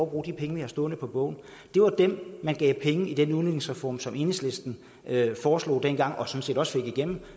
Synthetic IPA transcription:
b̥ʁṵːd̥ipʰeŋəʋihɑ̈sd̥ɔ̽ːnəpʰɒ̽b̥ɔ̽ʊ̰n̩ | d̥e̝ʋɑ̈d̥emːænɡ̥ɛ̰ːʊpʰeŋəid̥enuðˠned̥ne̝ŋsʁɛfɒ̰ːmsɒ̽me̝nesle̝sd̥n̩ | fɒːslo̝̰ːd̥enɡ̥ɑ̈ŋ̰ʔɒ̽sɒ̽n̩se̝̰ːdɾɒ̽sfe̝ɡ̥iɡ̥em̰m̩

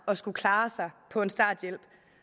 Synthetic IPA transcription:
ɒ̽sɡ̥ukʰlɑ̈ːsɑ̈ɪpʰɒ̽e̝nsd̥ɑ̈ːd̥jel̰b̥

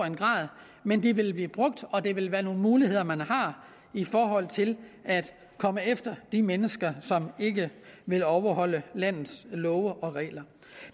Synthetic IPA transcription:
enɡ̥ʁɑ̰̈ːðˠ | mend̥iʋe̝lb̥liːb̥ʁɔ̽ɡ̥̚d̥ɒ̽d̥e̝ʋe̝lʋæːɐno̝ːn̩muːlihe̝ð̞̰ˠɐmænhɑ̈ | ifɒːɦɒ̽l̰t͡sʰe̝læd̥ | kʰɒ̽məefd̥ɐd̥imenəsɡ̥ɐsɒ̽me̝ɡ̥əʋe̝lɒʊɐhɒ̽l̰əlæn̰ð̩ˠslɔ̽ːəʔɒ̽ʁɛ̰ːlɐ

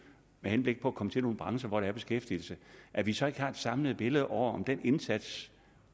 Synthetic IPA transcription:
mehenb̥le̝ɡ̥̚pʰɒ̽ækʰɒ̽mət͡sʰe̝lno̝ːn̩b̥ʁɑ̈ŋsɐʋɒɾeæɐb̥e̝sɡ̥efd̥ḭl̩səʔæʋisɒ̽e̝ɡ̥hɑ̈e̝d̥sɑ̈mləð̞̩ˠb̥e̝ləð̩ˠʔɒʊ̰ɐɒ̽md̥ene̝nsæd̥s

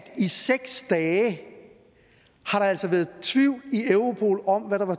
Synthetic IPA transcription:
d̥iseɡ̥sd̥ɛː | hɑ̈ɾɑ̈æl̰sɒʋæːɐð̩ˠt͡sʰʋiʊ̰lieʊʁo̝pʰo̝̰ːlɒ̽mʋæɾɑ̈ʋɑ̈

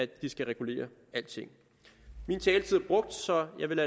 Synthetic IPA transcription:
ædd̥isɡ̥æʁɛɡ̥ule̝̰ːɐ | æl̰d̥̚t͡sʰe̝ŋ̰ | mint͡sʰɛːlət͡sʰiðˠæb̥ʁɔ̽ɡ̥̚d̥sɒ̽jɑ̈ɪʋe̝læ

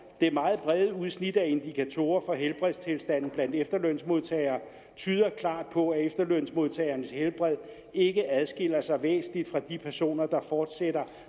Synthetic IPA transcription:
d̥eæɐmɑ̈ːð̞̩ˠb̥ʁɛðˠəuð̞ˠsnid̥æe̝nd̥ikʰæt͡sʰo̝̰ːɐfɒ̽ɦelb̥ʁɛðˠst͡sʰe̝lsd̥æn̰n̩b̥læn̰d̥efd̥ɐlœn̰smo̝ðˠt͡sʰɛ̰ɪɐː | t͡sʰyːð̞ˠɐkʰlɑ̰̈ːd̥̚pʰɒ̽æefd̥ɐlœn̰smo̝ð̞ˠt͡sʰɛɪɐnəshelb̥ʁɛð̰ˠ | e̝ɡ̥əæð̞ˠsɡ̥e̝l̰ɐsɑ̈ɪʋḛːsn̩lid̥fʁɑ̈d̥ipʰæɐso̝̰ːnɐd̥ɑ̈fɒːd̥seɾ̥ɐ

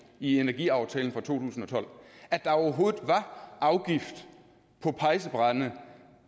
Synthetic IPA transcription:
ienæɐɡ̥ḭɑ̈ʊt͡sʰɛ̰ːln̩fʁɑ̈t͡sʰo̝̰ːt͡sʰṵːsn̩ɒt͡sʰɒ̽l̰æd̥ɑ̈ɒʊɐɦo̝ːðð̩ˠʋɑ̈ʔɑ̈ʊɡ̥ifd̥ | pʰɒ̽pʰɑ̈ɪs̬əb̥ʁɑðnə

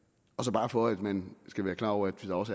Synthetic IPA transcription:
ɒ̽sɒ̽b̥ɑ̈ːfɒ̽æd̥mænsɡ̥æʋæːɐkʰlɑ̈ːɒʊɐæd̥ʋed̥ɑ̈ɒ̽sæ

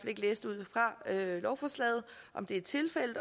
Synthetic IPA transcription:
fɒle̝ɡ̥leːsd̥uð̞̰ˠfʁɑ̈ølɒʊfɒslɛ̰ːð̞̩ˠ | ʔɒ̽md̥e̝æ̥t͡sʰe̝lfel̰əd̥

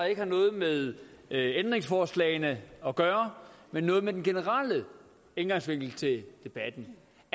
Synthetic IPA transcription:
e̝ɡ̥əhɑ̈nɔ̽ːð̞̩ˠmeðˠend̥ʁeŋsfɒːslɛ̰ɪnəɒ̽ɡ̥ɶːɐmenːɔ̽ːðˠmed̥enɡ̥e̝nəʁɑlə | enɡ̥ɑ̈ŋsʋe̝ŋ̰ɡ̥l̩t͡sʰe̝ld̥e̝b̥æd̥n̩

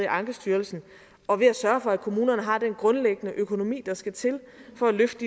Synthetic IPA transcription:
iʔɑ̈ŋɡ̥əsd̥yːɐlsn̩ | ɒ̽ʋe̝æsɶɐfɒ̽ækʰo̝muːnɐnəɦɑ̈d̥enɡ̥ʁɔ̽nleɡ̥ənəʔøkʰo̝no̝mḭːd̥ɑ̈sɡ̥æt͡sʰe̝l | fɒ̽æløfd̥

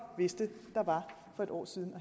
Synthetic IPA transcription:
ʋe̝sd̥əd̥ɑ̈ʋɑ̈ | fɒ̽e̝ɾɒ̰ːsið̞ˠn̩ɒ

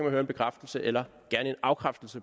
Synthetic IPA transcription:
mænhøːɐenmb̥ekʰʁafd̥l̩səʔelɐɡ̥æɐnəe̝nɑ̈ʊkʰʁafd̥l̩sə

